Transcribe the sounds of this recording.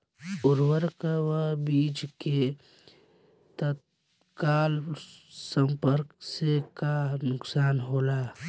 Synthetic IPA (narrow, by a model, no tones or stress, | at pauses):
ʊɾwəɾkawəbiːt͡ʃke | t̪ət̪̚ | kaːlsəmpəɾksekanʊksaːnɦoːlaː